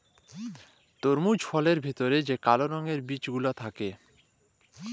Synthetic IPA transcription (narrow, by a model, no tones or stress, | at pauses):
t̪oɾmud͡ʑfʰɔleɾbʱit̪oɾed͡ʑekaloɾɔŋeɾbit͡ɕɡulat̪ʰake